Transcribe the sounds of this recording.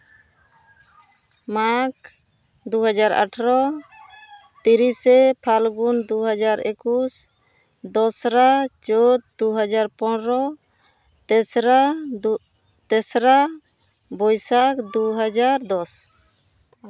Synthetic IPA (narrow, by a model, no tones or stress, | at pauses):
mak | d̪uɦad͡ʒaɾa̰ʈʰɾɔ | t̪iɾisɛpʰalɡund̪uɦad͡ʒaɾʔekus | d̪ɔsɾat͡ʃɔt̪̚d̪uɦad͡ʒaɾpɔnɾɔ | t̪ɛsɾa | t̪ɛsɾa | bɔjsakd̪uɦad͡ʒaɾd̪ɔs